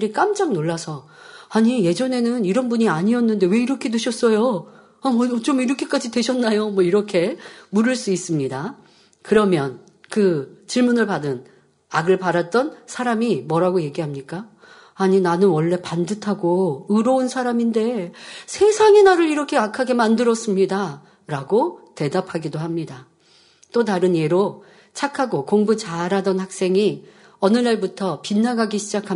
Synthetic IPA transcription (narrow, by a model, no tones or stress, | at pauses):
ɾik͈amd͡ʑaŋnoɭːasʰʌ | aɲije̞d͡ʑʌne̞nɯniɾʌnbuɲiaɲiʌnːɯnde̞we̞iɾʌkʰe̞dweɕʰʌs͈ʌjo | amwʌt͡ɕomiɾʌkʰe̞k͈ad͡ʑidwe̞ɕʰʌnːajomwʌiɾʌkʰe̞muɾɯɭs͈uis͈ɯmɲida | kɯɾʌmjʌn | kɯt͡ɕiɭmunɯɭpadɯn | aɡɯɭpaɾat̚t͈ʌnsʰaɾamimʌɾaɡoje̞ɡiɦamɲik͈aː | ɲinanɯnwʌɭːe̞pandɯtʰaɡoɯɾʌunsʰaɾaminde̞sʰe̞sʰaŋe̞naɾɯɾiɾʌkʰe̞akʰaɡe̞mandɯɾʌs͈ɯmɲida | ɾaɡote̞dapʰaɡidohamɲida | t͈ot̬aɾɯnje̞ɾo | t͡ɕʰakʰaɡokoŋbut͡ɕaɾadʌnhak̚s͈e̞ŋi | ʌnɯnaɭbutʰʌpinːaɡaɡiɕʰid͡ʑakʰa